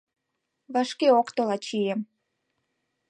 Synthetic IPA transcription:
βɑʃkeokt̪olɑt͡ɕijem

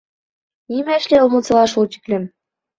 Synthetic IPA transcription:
imæʃlʲeɤlˠmŭt͡sɤ̆lˠɑʃut͡ɕi̥kʲlʲɘ̆m

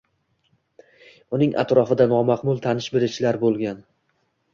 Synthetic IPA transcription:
ʊnɪŋʔa̰t̪ɾɒfɪd̪anɒmaqmʊlˠt̪ʰanɪʃbeɾɪt͡ʃʰlaɾbolˠɡʲan

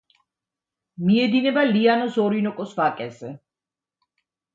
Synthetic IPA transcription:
miɛd̪inɛbalianɔsɔɾinɔkʼɔsvakʼɛzɛ

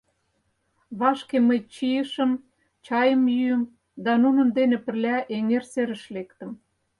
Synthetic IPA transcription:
βɑʃkeməjt͡ɕijəʃə̆m | t͡ɕɑjəmjyəm | d̪ɑnunə̆nd̪enĕpə̆rlʲæʔeŋerseɾə̆ʃlekt̪ə̆m

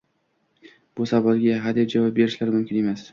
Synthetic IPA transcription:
b̥ʊsabɒlˠɡʲaɦad̪ep̚d͡ʒavɑp̚be̞ɾɪʃlaɾmʊmkʲʰɪne̞mas

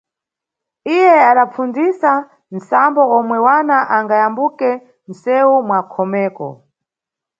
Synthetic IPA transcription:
ijɛaɗap͡funzisa | n̩sambɔɔmwɛwanaʔaŋɡajambukɛ | n̩sɛwumwakʰɔmɛːkɔ̰

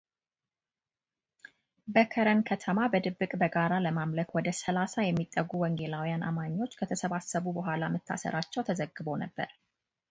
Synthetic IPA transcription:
bəkʰəɾənkʰət̪ʰəmabəd̪ɨbːɨkʼbəɡaɾaləmamləkwɔd̪əsəlasajɛmːit̪ʼːəɡːuwɔŋɡe̞lawjanʔa̰maɲːo̞t͡ʃːkʰət̪ʰəsəβasːəβubəɦʷalamɨt̪ʰːa̰sə̰ɾʔat͡ʃːɛwt̪ʰəzəɡɨbo̞nəbːə̰ɾ

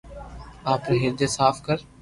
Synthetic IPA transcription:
aːpɾeɦɪɾd̪eːsaːfkəɾ

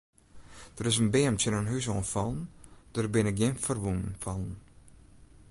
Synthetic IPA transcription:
d̥əɾɪsənbeːəmtənənɦys̬oːnfɔlˠnd̥ərbɪnək̚ɡjɪnfərʋunnfɔlˠn̩

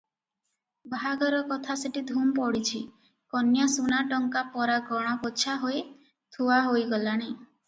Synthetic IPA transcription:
bʱaɡɔɾɔkɔt̪ʰaseʈid̪ʱumpɔɽit͡ʃʰi | kɔnjasunaʈɔŋkapɔɾaɡɔɽ̃ɔkot͡ʃʰaɦoe | t̪ʰuaɦojɡɔlaɽ̃i

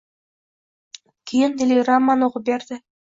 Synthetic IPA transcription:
kʲʰejɪnd̪elʲejrɑmːanoʁəp̚beɾd̪ɪ

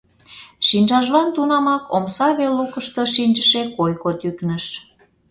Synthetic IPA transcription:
ʃinʲʒɑʒlɑnt̪unɑmɑkomsɑβelːukəʃt̪oʃinʲʒəʃekojkot̪yknəʃ

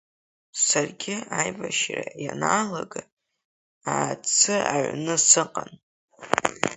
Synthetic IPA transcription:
sarɡʲɪajbaʃra̰janaːlaɡa | aːt͡sʰɨaʕʷnɨsɨqʼan

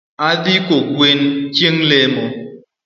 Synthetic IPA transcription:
adikokwent͡ʃeŋlemo

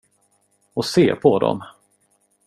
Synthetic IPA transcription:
ɔseːpʰɔd̪ɔ̰m

